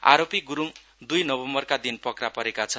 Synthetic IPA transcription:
a̰ɾopiɡuɾum | d̪ujnʌbʌmbʌrkad̪inpʌkrapʌɾekat͡sʰʌn

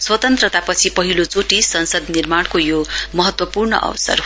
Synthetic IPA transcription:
swʌt̪ʌnt̪rʌt̪apʌt͡sʰipʌɦilot͡soʈisʌnsʌd̪nirmaɽkojomʌɦʌt̪wʌpurnʌ̰ʔʌ̰wʌsʌ̰r

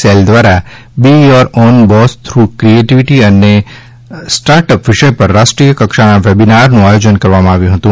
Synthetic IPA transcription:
seld̪ʋaɾa | bijɔɾɔːnbɔst̪ʰɾukɾieʈiʋiʈiəne | sʈaːɾʈəpʋɪʃəjpəɾːaːsʈɾijəkɐkʃanaʋebinaɾnũaːjoːd͡ʒənkɐɾʋamãaːʋjũɦət̪ũ

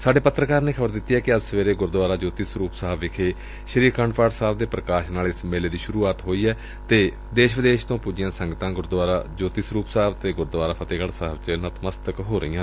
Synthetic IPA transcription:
saːɖeːpət̪ɾəkaːɾneːkʰəbəɾd̪ɪt̪ːiːɦɛːkɪəd͡ʒsəʋeːɾeːɡʊɾd̪ʊʋaːɾaːd͡ʒoːt̪iːsɾuːpsaːbʋɪkʰeː | ʃəɾiːɾkʰəɳɖpaːʈsaːbd̪eːpɾəkaːʃnaːlɪsmeːleːd̪iːʃʊɾuːaːt̪ɦoːiːɛː | t̪eː | d̪eːʃʋɪd̪eːʃt̪õːpuːd͡ʒɪjãːsəŋɡt̪ãːɡʊɾd̪ʋaːɾa̰ːd͡ʒoːt̪iːsɾuːpsaːbt̪eːɡʊɾd̪ʋaːɾaːpʰət̪eːɡəɽsaːɦəbt͡ʃənət̪ʰməst̪əkɦoːɾə̰iːãː

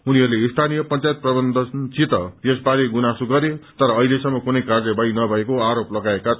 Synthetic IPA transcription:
uniɦʌrleist̪ʰanijʌpʌnt͡sajt̪̚prʌbʌnd̪ʱʌt͡sit̪ʌjesbaɾeɡunasuɡʌɾet̪ʌɾʌːɦilesʌmːʌkunʌjkard͡zʌbajnʌbʱʌekoaɾoplʌɡaeka

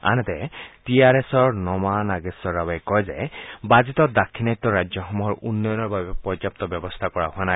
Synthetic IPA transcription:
a̰nɛt̪ɛtiaɹesɔɹnɔmanaɡɛsɔɹːabajkɔjzɛbazit̪ɔd̪akʰːinajt̪ːɔɹajɔxɔmuɦɔɹunːɔjɔnɔɹbabɛpɔd͡ʒap̚t̪ɔbjɔbɔst̪ʰakɔɹaɦʊana

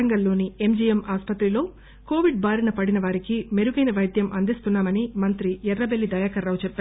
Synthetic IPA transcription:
ɐŋɡɐlːo̞ːniemd͡ʒijemaːspɐt̪ɾilo̞ː | koːʋiɖ̚baːɾinɐpɐɽinɐʋaːɾikime̞ɾuɡɐjnɐʋɐjd̪ʱjɐmʔɐnd̪ist̪unːaːmɐnimɐnt̪ɾiɛrːɐbelːid̪ɐjaːkɐɾːaːwt͡ʃɛpː

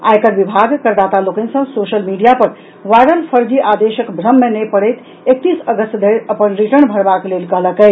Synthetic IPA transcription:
a̰jkəɾbibʱaɡkəɾd̪at̪alokənsə̃soʃəlmiɖijapəɾ | ʋajɽəlpʰəɾd͡ʒiʔad̪eʃəkbʱɾəmːenəjpəɽəjt̪ | ek̚t̪isəɡəst̪d̪ʱeɾəpənɾiʈəɳbʱəɽbaklelkəɦləkə

